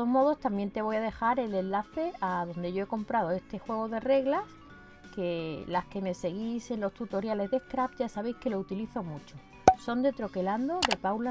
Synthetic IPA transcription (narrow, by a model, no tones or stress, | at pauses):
ozmo̞ðo̞st̪amje̞nt̪e̞β̞o̞jaðe̞xaɾe̞le̞nlaθe̞aðo̞nd̪e̞ʝo̞e̞ko̞mpɾaðo̞e̞st̪e̞xwe̞ɣ̞o̞ðe̞re̞ɣlas | ke̞laske̞me̞se̞ɣ̞ise̞nlo̞st̪ut̪o̞ɾjale̞zðe̞skɾapɟ͡ʝasaβ̞e̞jske̞lo̞ut̪iliθo̞mut͡ʃo | so̞nd̪e̞t̪ɾo̞ke̞land̪o̞ðe̞pawla